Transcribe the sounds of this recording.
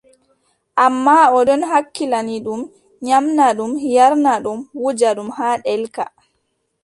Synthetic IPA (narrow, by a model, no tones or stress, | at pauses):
ʔamːaɔɗɔnɦakːilaniɗum | ɲamnaɗumjaɾnaɗumwud͡ʒaɗumhaːɗɛlka̰